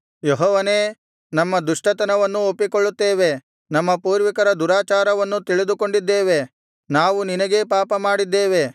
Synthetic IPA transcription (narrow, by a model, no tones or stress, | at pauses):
jeɦɔːʋɐneː | nɐmːɐd̪uʂʈɐt̪ɐnɐʋɐnːuopːikoɭːut̪ːeːʋe̞ | nɐmːɐpuːɾʋikɐɾɐd̪uɾaːt͡ʃaːɾɐʋɐnːut̪iɭid̪uko̞ɳɖid̪ːeːʋe̞ | naːʋuninɐɡe̞paːpɐmaːɽid̪ːeːʋe̞